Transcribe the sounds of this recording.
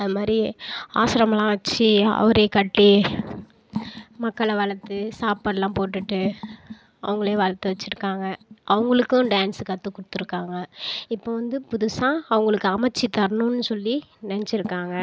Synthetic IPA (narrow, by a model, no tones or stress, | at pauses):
ɐðɯmaːd̪ɾia̰ːsɪɾɐmɐlãːʋɐt͡ʃːiɐ̰ʋɐɾeːkɐʈːi | mɐkːɐɭɐʋɐɭɐt̪ːɯsaːpɐɾlãːpoːʈːɯʈːɯ | ɐ̰ʋɐŋɡɐɭeːʋɐɭɐt̪ːɯʋɐt͡ʃːɪɾɯkːaːŋɡɐʔɐʋɐŋɡɐɭɯkːʊ̃ɖaːnskɐt̪ːɯkʊɽɯt̪ːɯɾɯkːaːŋɡɐɪpːoːʋɐnd̪ɯpʊðʊsãːɐʋɐŋɡɐɭɯkːɯɐmɐt͡ʃːit̪ɐɾnʊ̃nːɯsɔlːinɐnɛt͡ʃːɪɾɯkːaːŋɡɐ